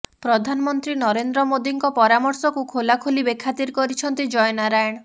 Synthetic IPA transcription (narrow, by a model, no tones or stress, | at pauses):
pɾɔd̪ʱanɔmɔnt̪ɾinɔɾend̪ɾɔmod̪iŋkɔpɔɾamɔɾsɔkukʰolakʰolibekʰːat̪iɾkɔɾit͡ʃʰɔnt̪id͡ʒɔjnaɾajɽ̃